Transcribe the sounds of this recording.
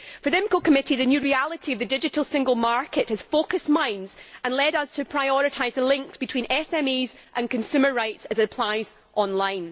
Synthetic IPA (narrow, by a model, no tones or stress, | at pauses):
fə˞ðɪ̃mkʰokʰəmɪʔiðɨnjʉːɹialˠɪʔiəvðədɪd͡ʒɪʔəlˠsɪ̃ŋɡəlˠmaɹkʰɪʔhəz̥fokəsmãɪ̃nz̥ə̃nlˠɛdəz̥tʰəpʰɹ̥aɪɔɹɪʔʰaɪzðəlˠɪ̃ŋksb̥ɪtʰĩnɛsɛ̃miːz | ʔə̃nkʰə̃nsʉmə˞ɹaɪtsəzɨpʰl̥aɪz̥ | ʔɔ̃nlˠãɪ̃n